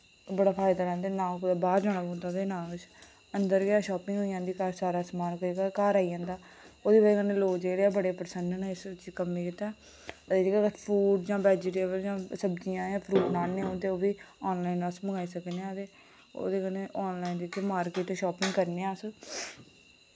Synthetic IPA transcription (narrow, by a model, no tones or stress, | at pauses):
bəɽaːpʰaːɪd̪aːɾɛ̃ːnd̪eːnãːkːd̪aːbaːɾd͡ʒãːɽ̃aːbõːnd̪aːd̪eːnãːʋɪt͡ʃ | ənd̪əɾɡɪaːʃɔːpɪ̃ŋɡɦoːijãːnd̪iːkaːɾsaːɾaːsmaːnkəɾiɡaːkaːɾaːijãːnd̪aː | oːd̪eːbaikəneːloːd͡ʒeːɽeaːbəɽeːpəɾsənd̪nãɪst͡ʃkəmiːkɪt̪ːaː | ət̪eːd͡ʒekakpʰɾuːɖd͡ʒãːbɛːd͡ʒeʈeːbəld͡ʒãːsəbd͡ʒijãːjãːpʰɾuːʈnaːneːõːnt̪eːoːbiːɔːnlaːiːnəsməɡaːiːsəkneːãːət̪eː | o̰ːd̪eːkəneːʔɔːnlaːiːnd̪ikemaːɾkɪːʈːʃɔːpɪŋɡkəɾneãːs